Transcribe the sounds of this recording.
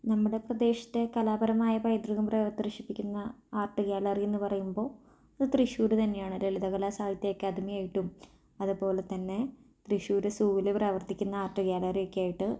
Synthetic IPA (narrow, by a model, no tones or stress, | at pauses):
nɐmːuɽeprɐd̪e̞ːɕɐ̥t̪ːe̞kɐlaːbɐɾɐmaːjɐpɐjd̪ruɣɐmprɐʋɐt̪ːiriʂipːikʲːunːɐaːrʈːɨkjaːlɐrienːɨpɐrɐjumbo̞ː | ɐðɨt̪riʂuːɾut̪ɐnːejaːɳɐɾeliðɐɣɐɭasaːd̪ʱɐt̪ːɐjokːɨɐd̪ʱimijaːjiʈːum | ɐðupo̞ːle̞t̪ːɐnːe̞ | t̪riɕuːɾɨsuːʋilepraːʋɐrt̪ikʲːunːɐaːrʈːɨkjaːlɐriokːejaːjiʈːɨ